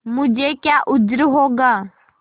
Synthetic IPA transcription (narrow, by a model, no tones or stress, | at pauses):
mʊd͡ʒekjaːʔʊd͡ʒɾɦoːɡaː